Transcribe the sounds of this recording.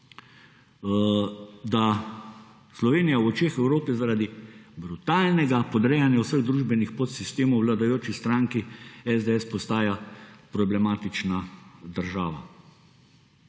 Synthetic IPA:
d̪a | slɔʋeːnijawɔt͡ʃeːxɛwɾoːpɛzaɾaːd̪ibɾut̪aːlnɛɡapɔd̪ɾɛjanjawsəɣd̪ɾuːʒbɛnixpot̪sist̪eːmɔwlad̪ajoːt͡ʃist̪ɾaːŋkiɛzd̪ɛɛspɔst̪aːjapɾɔblɛmaːt̪it͡ʃnad̪əɾʒaːʋa̰

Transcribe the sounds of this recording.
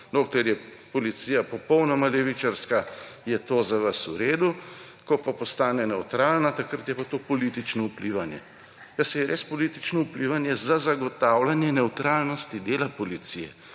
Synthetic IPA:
d̪okt̪ɛɾjɛpɔlit̪siːjapɔpɔwnɔmalɛʋit͡ʃaɾskajɛt̪oːzaʋasuɾeːd̪u | kɔpapɔst̪aːnɛnɛwt̪ɾaːlnat̪ɐkɾat̪jɛpat̪oːpɔliːt̪it͡ʃnɔupliʋanjɛ̰ | jasɛjɛɾeːspɔlit̪it͡ʃnɔupliːʋanjɛzazaɡɔt̪aːwlanjɛnɛwt̪ɾaːlnɔst̪id̪eːlapɔlit̪sijɛ̰

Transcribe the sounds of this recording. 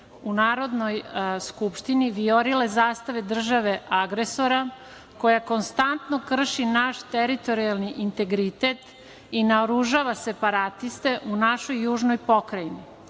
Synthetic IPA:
unaːɾo̞d̪nojskupʃt̪iniʋioɾile̞zaːst̪aʋed̪r̩ʒaʋe̞ʔaɡɾeso̞ɾa | ko̞jako̞nst̪ant̪no̞kr̩ʃinaʃt̪eɾit̪o̞ɾialˠniʔint̪e̞ɡɾit̪e̞t̪ | inaoɾuʒaːʋase̞paɾat̪ist̪e̞ʔunaʃo̞jːuːʒnojpo̞kɾajini

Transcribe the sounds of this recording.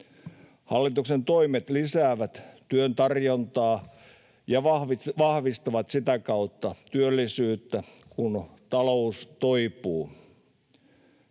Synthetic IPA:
hɑlːit̪uksent̪oimet̪lisæːʋæt̪t̪yønt̪ɑrjont̪ɑː | jɑʋɑhʋiʋɑhʋist̪ɑʋɑt̪sit̪ækɑut̪ːɑt̪yølːisyːt̪ːækunt̪ɑloust̪oipuː

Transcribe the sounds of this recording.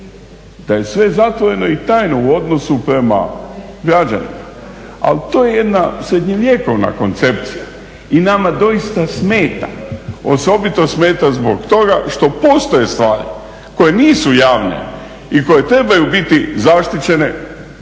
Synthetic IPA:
d̪̥aje̞sʋe̞zat̪ʋo̞ɾe̞no̞it̪aːjno̞uo̞d̪no̞supɾe̞ma̰ | ɡɾad͡ʑa̰nḭma | a̰lt̪o̞ːje̞je̞d̪nasɾe̞d̪ɲeʋjeːko̞ʋna̰ko̞nt̪se̞p̚t̪sija | inamad̪o̞ist̪asme̞ːt̪a̰o̞so̞bit̪o̞sme̞ːt̪azbo̞kt̪o̞ɡaʃt̪o̞po̞st̪o̞je̞st̪ʋaːɾi | ko̞je̞niːsujaːʋne̞̰ | iko̞je̞t̪ɾe̞bajubit̪izaʃt̪it͡ɕe̞ne̞

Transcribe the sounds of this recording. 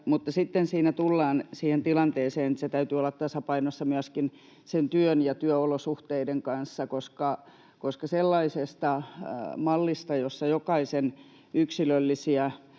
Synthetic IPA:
mut̪ːɑsit̪ːensiːnæt̪ulːɑːnsiːhent̪ilɑnt̪eːseːnset̪æyt̪yolːɑt̪t̪ɑsɑpɑinosːɑmyæskin | sent̪yønjɑt̪yøolosuht̪eideŋkɑnsːɑkoskɑ | koskɑselːɑisest̪ɑmɑlːist̪ɑjosːɑjokɑisen | yksilølːisiæ

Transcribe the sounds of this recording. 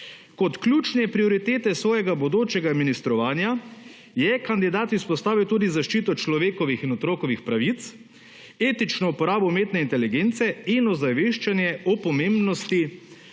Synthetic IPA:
kɔt̪klʲjuːt͡ʃnɛpɾioɾit̪eːt̪ɛsʋɔːjɛɡabɔd̪oːt͡ʃɛɡaminist̪ɾɔʋaːnja | jɛkand̪id̪aːt̪ispɔst̪aːʋiwt̪uːd̪izaʃt͡ʃiːt̪ɔt͡ʃlɔʋeːkɔʋixinɔt̪ɾoːkɔʋixpɾaʋit̪s | eːt̪it͡ʃnɔupɔɾaːbɔmeːt̪nɛint̪ɛliɡent̪sɛinɔzaʋeːʃt͡ʃanjɛɔpɔmẽmbnɔst̪i

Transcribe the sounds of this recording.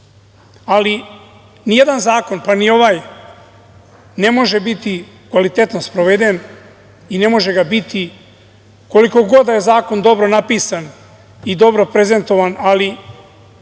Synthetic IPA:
ali | nije̞d̪anzaːko̞npanio̞ʋaj | ne̞mo̞ʒebit̪i | kʋalit̪e̞t̪nospɾoʋed̪en | ine̞mo̞ʒeɡabit̪ʰi | ko̞liko̞ɡo̞d̪ajezaːko̞nd̪o̞bɾo̞napiːsan | id̪o̞bɾo̞pɾe̞ze̞nt̪o̞ʋanali

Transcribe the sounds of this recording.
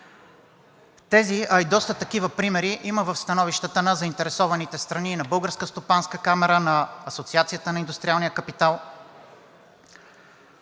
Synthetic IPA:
t̪ɛziɐid̪ɔst̪ət̪ɐk̟ivəpɾimɛɾiʔiməvɐfst̪ɐnɔviʃt̪ət̪ənəzɐint̪ɛɾɛsɔvɐnit̪ɛst̪ɾɐninɐbɤlˠɡəɾskəst̪opanskəkamɛɾənɐːsot̪siat̪sijət̪ənɐind̪ust̪ɾialˠnijəkɐpit̪alˠ

